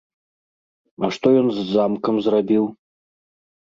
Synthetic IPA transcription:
aʂt̪ojɔnzd͡zamkɐmzrabʲilˠ

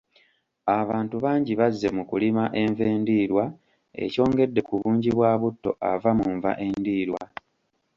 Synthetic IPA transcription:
aβaːntuβaːɲɟiβazːe̞mukulimaʔe̞ɱve̞ːndiːɾwa | e̞̰co̞ːŋɡe̞dːe̞kuβuːɲɟiβwaːβutːo̞̰ʔa̰vamuɱva̰ʔe̞ndiːɾwa

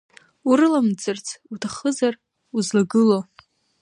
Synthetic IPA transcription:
uɾɨlamd͡zʼɨrt͡sʰutʰaχəzar | uzlaɡɨlo

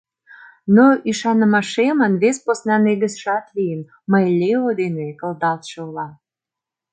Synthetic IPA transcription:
noiʃɑnə̆mɑʃemənβesposnɑneɡə̆sʃɑt̪lʲijən | məjlʲeod̪enekə̆ld̪ɑlt̪ʃəulɑ

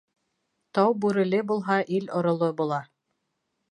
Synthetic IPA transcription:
t̪ɑwbʉɾɘ̆lɘbulˠɦɑʔilŏɾŏlˠobulˠɑ

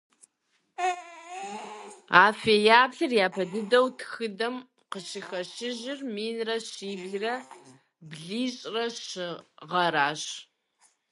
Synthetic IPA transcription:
aːfeːjaːpɬɨrjaːpʰɐdɨdɐwtʰxɨdɐm | qəɕɪxɐɕɪʑɪrmiːnrɐɕiːbɮrɐ | bɮiːɕʼrɐɕɪʁɐɾaːɕ

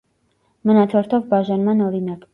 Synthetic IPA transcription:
mənɑt̪ʰɔɾt̪ʰɔvbɑʒɑnmɑnɔɾinɑk

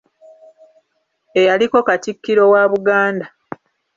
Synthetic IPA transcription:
e̞jaliko̞katikːiɾo̞waːβuɡaːnda

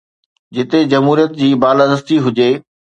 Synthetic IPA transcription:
d͡ʑɪt̪ed͡ʑɐmɦuːɾijət̪̚d͡ʑiːbaːlad̪əst̪iɦʊd͡ʑeː

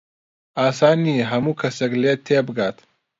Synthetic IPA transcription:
aːsaːniɦɐmukʰɐsɐɡlet̪ʰːeːbɡaːt̪

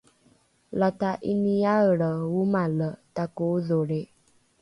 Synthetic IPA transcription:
lataʔiniaəɾəwumalətakoðoɾe

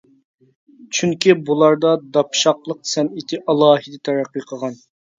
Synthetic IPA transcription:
t͡ʃʰyŋkʲʰibulˠɑɾd̪ɑd̪ɑpʃɑqlˠəq̚sɛnit̪ʰɪʔɑlˠɑːɦɨd̪ɛt̪ʰæɾæqːiqʰəʁɑn

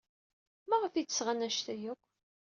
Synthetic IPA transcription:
mæʁəfit̪ːə̥sʁanæʃt̪æjækʷː

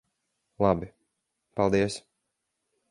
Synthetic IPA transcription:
lˠabi | palˠd̪iɛs

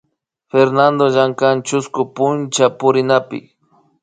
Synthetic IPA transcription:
feɾnand̪oʒaŋkant͡ʃʊskʊpʊnt͡ʃapʊɾɪnapɪ̰

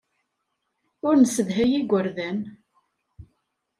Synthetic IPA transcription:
ʊɾnəsəðɦæjiɡʷəɾðæn

